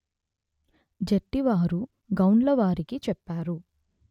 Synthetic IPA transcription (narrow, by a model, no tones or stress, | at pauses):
d͡ʒeʈːiʋaːɾu | ɡɐwnlɐʋaːɾikit͡ʃɛpːaːɾu